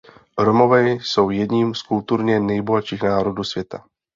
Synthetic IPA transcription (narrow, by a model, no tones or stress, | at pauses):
ɾomo̞vɛso̞wjɛdɲiːmskult̪uɾɲɛnɛjboɦat͡ʃiːxnaːɾoduːsvjɛt̪a̰